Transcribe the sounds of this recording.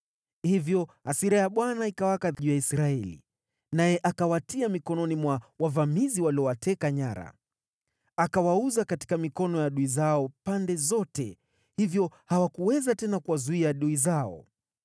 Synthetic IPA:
hivjɔasiɾajaɓwanaikawakaʄujaisɾaɛlḭ | najɛʔakawatiamikɔnɔnimwawavamiziwaliɔwatɛkaɲaɾa̰ | akawauzakati̥kamikɔnɔjaɗuizaɔpandɛzɔtɛ | hivjɔhawakuwɛzatɛnakuwazuiaɗuizaɔ̰

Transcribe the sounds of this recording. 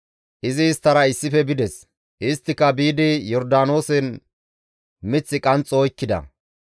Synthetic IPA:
ʔɪzɪːst̪ːɐɾɐɪsːɪfɛbɪd̪ɛs | ʔɪst̪ːɪkːɐbiːd̪ɪjɔɾd̪aːno̞ːsɛn | mɪt͡sːɪkʼɐnt͡sʼːoːjkːɪd̪ɐ̰

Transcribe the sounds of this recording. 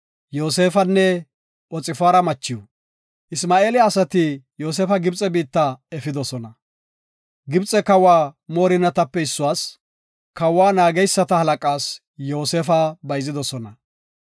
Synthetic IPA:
jo̞ːse̞ːfɐnːɛ | ɔt͡sʼɪfaːɾɐmɐt͡ʃːɪju | ʔɪsmaːe̞ːlɪːsɐt̪ɪjo̞ːs̬eːfɐɡɪbt͡sʼɛbiːt̪ːɐɛfɪd̪ɔsɔnɐ | ɡɪbt͡sʼːɛkɐwːaːmoːɾɪnɐt̪ɐpːɛɪsːʊwaːs | kɐwːaːnaːɡɛjsːɐt̪ɐhɐlɐkʼaːs | jo̞ːseːfɐbɐjzɪd̪ɔsɔnɐ

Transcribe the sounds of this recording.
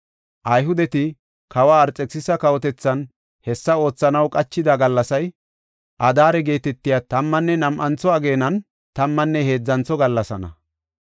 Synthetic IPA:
ʔɐjɦʊd̪ɛt̪ɪ | kɐwaːɾt͡sʼːɛksɪsɐkɐwɔt̪ɛt͡sːɐn | hɛsːɐo̞ːt͡sːɐnɐwkʼɐt͡ʃːɪd̪aɡɐlːɐsɐj | ʔɐd̪aːɾɛɡe̞ːt̪ɛt̪ːɪjat̪ɐmːɐnːɛnɐmʔɐnt͡sːɔɐɡe̞ːnɐn | t̪ɐmːɐnːɛhe̞ːd͡zːɐnt͡sːɔɡɐlːɐsɐnɐ̰

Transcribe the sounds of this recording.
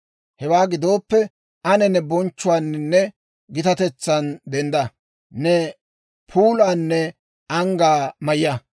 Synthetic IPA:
hɛwaːɡɪd̪o̞ːpːɛ | ʔɐnɛnɛbɔnt͡ʃːʊwaːnːɪnːɛ | ɡɪt̪ɐt̪ɛt͡sːɐnd̪ɛnd̪ɐ | nɛ | pʰuːlaːnːɛ | ɐŋɡaːmɐjɐ

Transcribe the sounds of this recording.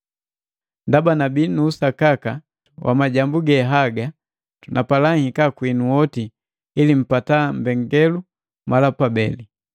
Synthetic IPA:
ndabanabinuːsakaka | wʔa̰maɟambuɡɛɦaɡa | tunʔapalaŋhikakwinuwɔti | ilim̩patambɛŋɡɛlu | malapabɛli

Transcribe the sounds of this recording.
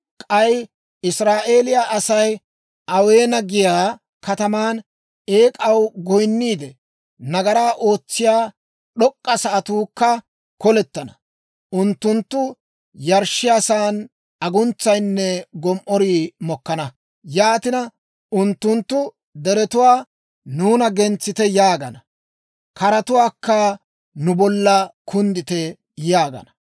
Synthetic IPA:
kʼɐj | ɪsɾaːʔe̞ːlɪjaʔɐsɐj | ʔɐwe̞ːnɐɡɪjaː | kɐt̪ɐmaːn | e̞ːkʼɐwɡɔjnːiːd̪ɛ | nɐɡɐɾaːʔo̞ːt͡sːɪjaː | ɗɔkʼːɐsɐʔɐt̪uːkːɐ | kɔlɛt̪ːɐnɐ | ʔʊnt̪ːʊnt̪ːʊ | jɐɾʃɪjɐsaːn | ɐɡʊnt͡sːɐjnːɛɡɔmʔɔɾiːmɔkːɐnɐ | jaːt̪ɪnɐ | ʔʊnt̪ːʊnt̪ːʊ | d̪ɛɾɛt̪ʊwaː | uːnɐɡɛnt͡sːɪt̪ɛjaːɡɐnɐ | kɐɾɐt̪ʊwaːkːɐ | nʊbɔlːɐkʰʊnd̪ɪt̪ɛ | jaːɡɐ̰nɐ

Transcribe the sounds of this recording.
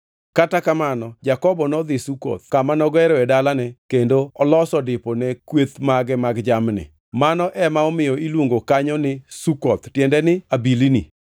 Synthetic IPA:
katakamanɔd͡ʒakɔbɔnɔd̪ɪsukɔ̰t̪̚kamanɔɡɛɾɔɛdalanɛkendoɔlɔsɔdɪpɔnɛkwet̪maɡɛmaɡd͡ʒamnɪ̰ | manɔʔɛmaɔmɪjɔilwoŋɡokaɲɔnɪsukɔt̪tjɛndɛnɪabilinḭ

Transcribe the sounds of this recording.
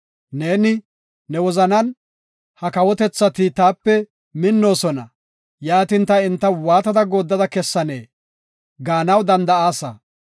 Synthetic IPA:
ne̞ːnɪ | nɛwɔzɐnɐn | hɐkɐwɔt̪ɛt͡sːɐt̪ɪt̪aːpːɛ | mɪnːo̞ːsɔnɐ | jaːt̪ɪnt̪ɐɪnt̪ːɐwaːt̪ɐd̪ɐɡo̞ːd̪ːɐd̪ɐkɛsːɐneː | ɡaːnɐwd̪ɐnd̪ɐaːsɐ̰

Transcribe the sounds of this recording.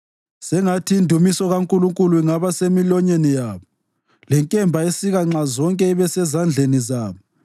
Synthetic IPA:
sɛŋatʰiːndʱumisɔɣaŋkʼuluŋkʼuluiŋaβasemilɔɲenijaːβɔ | lɛŋkʼɛmbʱaesiɣaŋ͡ǁazɔŋkʼɛiβɛsɛzand͡ɮʱenizaːβɔ

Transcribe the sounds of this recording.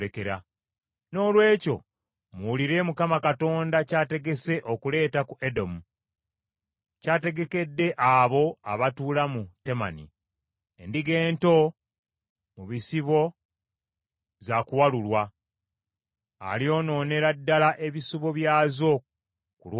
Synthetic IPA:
ekeɾa | no̞ːlwe̞ːco̞̰ | muuliɾe̞mukamakato̞ːndacaːte̞ɡe̞se̞ʔo̞kule̞ːtakuʔe̞do̞mu | caːte̞ɡe̞ke̞dːe̞ʔaβo̞aβatuːlamute̞ma̰nḭ | endiɡe̞ːnto̞ | muβisiβo̞ | zakuwalulwa | lio̞ːno̞ːne̞ɾadːalaʔe̞βisuβo̞βjaːzo̞ | kulw

